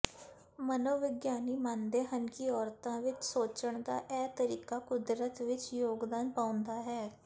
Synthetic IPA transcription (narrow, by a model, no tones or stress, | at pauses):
mənoːʋɪɡjaːniːmãːnd̪eːɦənkiɔːɾt̪ãːʋɪt͡ʃsoːt͡ʃəɳd̪a̰ːʔɛːt̪əɾiːkaːkʊd̪ɾət̪ʋɪt͡ʃjoːɡd̪aːnpãːʊ̃nd̪aːɦɛː